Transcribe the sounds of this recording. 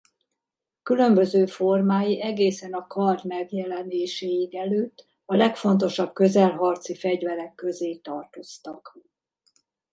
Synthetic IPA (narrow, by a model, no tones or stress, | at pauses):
kylø̞mbø̞zøːfo̞rmaːjiʔɛɡeːsɛnɒkʰɒrd̪mɛɡjɛlɛneːʃeːjiɡɛløːt̪ː | ɒlɛkfo̞n̪t̪̬o̞ʃɒb̚kø̞zɛlɦɒrt̪sifɛɟvɛɾɛkːø̞zeːt̪ɒrt̪o̞st̪ɒk